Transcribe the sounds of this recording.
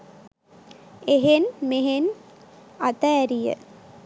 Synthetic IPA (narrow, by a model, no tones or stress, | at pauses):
eɦenmeɦen | at̪əːɾijə̰